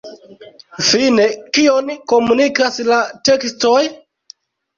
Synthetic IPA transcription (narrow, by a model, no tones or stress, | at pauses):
fine̞kio̞nko̞munikaslate̞ksto̞j